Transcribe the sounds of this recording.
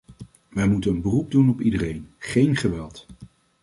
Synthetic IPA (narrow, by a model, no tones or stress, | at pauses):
ʋɛjmutənənbərub̚dunɔpidərejnχejnχəʋɛlˠt